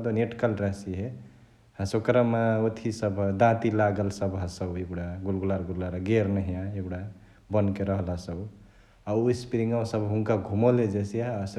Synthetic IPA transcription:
d̪oneʈkəlɾasiɦe | hãsokɾəmaot̪ʰisəbd̪ãt̪ilaɡəlsəbɦãsəbeɡɽaɡulɡulaɾɡulaɾɡeɾnəɦijãeɡɽa | bənkeɾəɦlasəb | auispiɾiŋɡawsəbɦuŋkaɡʱumɔled͡ʒesijas

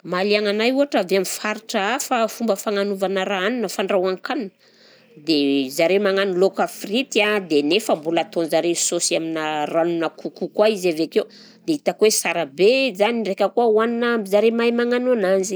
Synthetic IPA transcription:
maliaŋanajuɦaʈ͡ʂaveamifaɾiʈ͡ʂəafafumbəfaŋanuvanəɾaanunəfaɳɖ͡ʐawaŋkanunə | d̪ezaɾemaŋanilokafrit̪ad̪enefəmbulat̪onzaɾesosiaminəranunəkukukwaizaveakew | d̪eit̪akuwesaɾabezaniɖ͡ʐekəkuawaninaizaɾemajmaŋanananzi

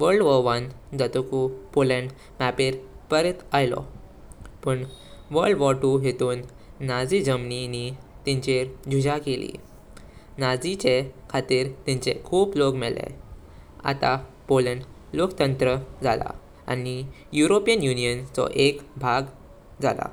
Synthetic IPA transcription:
ʋəɾɖʋəʋan | d͡zat̪ukupolə̃ɳɖ | mæpeɾpəɾet̪ajlɔ̰ | pəɳʋəɾɖʋɔʈuɦet̪uːnː | ad͡zid͡ʑəmninit̪iɲt͡ɕeɾd͡ʑʱud͡ʑakelḭ | nad͡zit͡ɕekʰat̪iːɾt̪iɲt͡ɕḛkʰuːplokmɛlḛ | a̰t̪a | polə̃ɳɖlokt̪ənt̪ɾəd͡zala̰ | a̰ni | juɾopijənjunijənt͡sɔ̰ʔekbʱaɡ | d͡za̰la̰

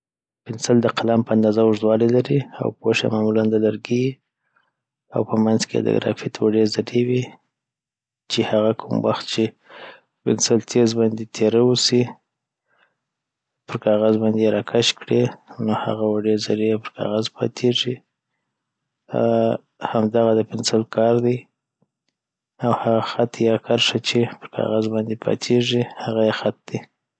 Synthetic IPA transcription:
pɪnsald̪əqalampəand̪ɑzaʊʐd̪wɑlelaɾia̰wpoʃa̰mamuland̪əlaɾɡei | a̰wpəmanzkḛd̪ə̰ɡɾɑ̰fɪt̪waɖezaɾewi | t͡ʃehaɣakʰumwa̰xt̪̚t͡ʃe | pɪ̰nsalt̪ʰezbɑnd̪et̪ʰeɾawusi | pəɾkɑɣazbɑnd̪eɾɑkʰaʃkɽenoha̰ɣawaɖeɾzaɾijapəɾkʰɑ̰ɣazpʰɑ̰t̪ʰeʐi | hamd̪aɣad̪əpɪnsalkʰɑɾd̪aj | awhaɣaxat̪jɑkʰaɾʂat͡ʃepəɾkʰɑ̰ɣazbɑnd̪epʰɑ̰t̪ʰeʐihaɣajexat̪̚d̪̥i

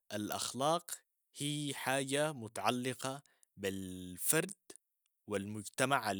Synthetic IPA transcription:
ʔalʔa̰xlɑːq | hiːħaːd͡ʒamʊt̪aʕalːɪqɑ | bɪlfɑɾˤd̪ | wɪlmʊd͡ʒt̪amaʕal

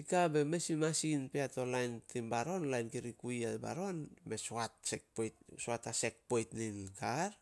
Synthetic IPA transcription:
ikabe̞mesimasinpeato̞lajntimbaɾo̞nlajnkiɾikujaba̰ɾo̞nme̞soatsek̚pojtsoatase̞k̚po̞jtninkaɾ

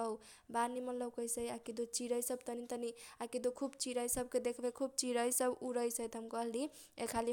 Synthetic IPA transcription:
ʌw | banimʌt̪lʌbkʌjsʌijakid̪ot͡ʃiɾʌjsʌb̚t̪ʌnit̪ʌniakid̪okʰubt͡ʃiɾʌjsʌb̚ked̪ekʰbakʰub̚t͡ʃiɾʌjsʌbuɾʌjsʌjt̪ʌmkʌldi | ekʰali

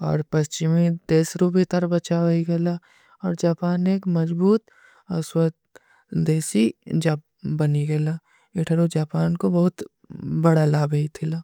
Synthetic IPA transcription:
ɔ̰ːɾpɐst͡ʃɪmid̪eːsɾobʱit̪ɐɾbɐt͡ʃaːʋiɡela | ɔːɾd͡ʒaːpaːneːkmɐd͡ʒbuːt̪ | ɐswət̪ | d̪eːsid͡ʒaː | bɐniɡelaː | eʈʰəɾod͡ʒaːpaːnkobɐɦʊt̪ | bɐɽalaːbəit̪ʰɪlaː

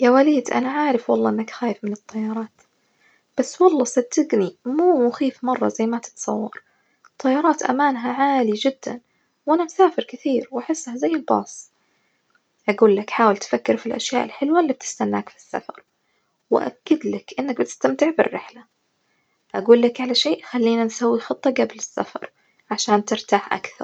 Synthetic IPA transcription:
jaːwaliːd̪ʔa̰naʕaːɾɪfwɑlˤːɑːʔɪnːakxaːjɪfmɪnɨt̪ˤːɑjːɑɾˤɑːt̪ | b̥asːwɑlˤːɑːsad̪ːɪɡnimuːmʊxiːfmɑrˤːɑ̰zajːmat̪ɪ̥t̪sˤɑwːɑ̰ɾˤ | t̪ˤːɑjːɑːɾˤɑːt̪ʔa̰maːnɦaʕaːlid͡ʒɪd̪ːa̰n | wʔanamsaːfɪɾkɪθiːɾwʔaħɪsːhazajːɪlbɑ̰ːsˤ | ʔaɡuːlːakħaːwɪlt̪fakːɪɾfilʔaʃjaːʔɪlħɪlwalːib̚t̪ɪ̥st̪anːa̰ːkfi̥sːa̰fɑ̰ɾˤ | wɪʔa̰kːɪd̪lakʔɪnːak̚bɪt̪ɪ̥st̪amt̪ɪʕbɪ̰rːɪħla | ʔaɡuːlːakʕalaʃeːʔxalːiːnansawːixɨt̪ˤːɑɡablɪsːa̰fɑ̰ɾˤ | ʕaʃaːnt̪ɪɾt̪aːħʔa̰kθɑ̰ɾˤ

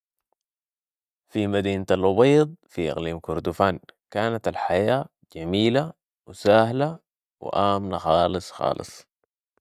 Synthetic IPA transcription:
fimad̪iːnat̪alʔʊbeːd̪ˤfiʔɪ̰ɣliːmkʊɾd̪ufaːnkaːnat̪alħajaː | d͡ʒamiːla | wɪsaːhla | wɪ̰ʔaːmnaxɑːlɨsˤxɑ̰ːlɨ̰sˤ

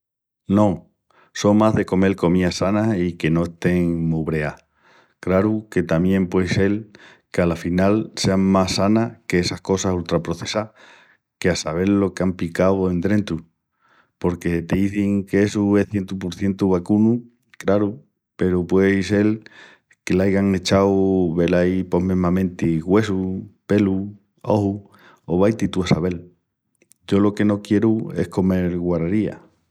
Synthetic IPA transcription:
no̞ | so̞ŋmaɦðe̞ko̞me̞lko̞miasanaike̞no̞est̪e̞ŋmuβɾe̞a | kɾaɾuke̞t̪amjẽ̞mpwe̞jse̞l | kealafinalse̞aŋmasanakeesahko̞sasult̪ɾapɾo̞θe̞sa | ke̞asaβ̞e̞ɾlo̞keampikawe̞nt̪ɾent̪u | po̞ɾke̞t̪eiθiŋkeesue̞hθje̞nt̪upuɾθje̞nt̪uβakunu | kɾaɾu | pe̞ɾupwejse̞l | ke̞lajɣaŋet͡ʃawβe̞lajpo̞ɦmeɦmãmẽ̞nt̪iɣwe̞supe̞lu | o̰hu | oβ̞ajt̪it̪uasaβe̞l | ɟ͡ʝo̞lo̞ke̞no̞kje̞ɾue̞̰hko̞me̞ɾɣwaɾaɾia̰

